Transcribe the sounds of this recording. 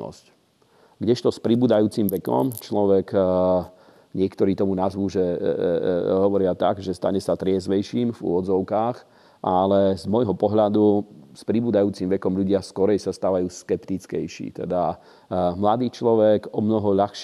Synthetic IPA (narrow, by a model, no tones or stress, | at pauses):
ɔ̰sc | ɡɟɛʃt̪ɔspɾibuːd̪ajuːt͡simʋɛkɔ̰mt͡ʃlɔʋɛɡ | ɲɪɛkt̪ɔɾiːt̪ɔmunazʋuːʒɛ | ɦɔʋɔɾɪat̪a̰ɡʒɛst̪a̰ɲɛsat̪ɾɪɛzʋɛjʃiːmvṵʋɔd͡zɔʊkaːx | ʔalɛzmɔjɦɔpɔɦʎad̪uspɾibuːd̪ajuːt͡simʋɛkɔmʎuɟɪaskɔɾɛjsast̪aːʋajuːskɛpt̪it͡skɛjʃḭːt̪ɛd̪a | mlad̪iːt͡ʃlɔʋɛɡɔmnɔɦɔʎaxʃ